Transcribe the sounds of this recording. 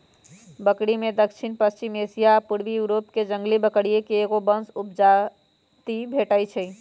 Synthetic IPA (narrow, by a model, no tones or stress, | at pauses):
bəkɽimed̪əkt͡ʃʰinpəst͡ʃimesijaːpuɽbijuɾopked͡ʒə̃ŋɡlibəkəɽijekeːɣobənsupd͡ʒa | t̪ibʱeʈəjt͡ʃʰəj